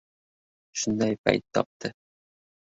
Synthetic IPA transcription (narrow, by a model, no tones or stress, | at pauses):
ʃɵ̆nd̪æjpæ̰jt̪ːɒ̰p̚t̪ʰɤ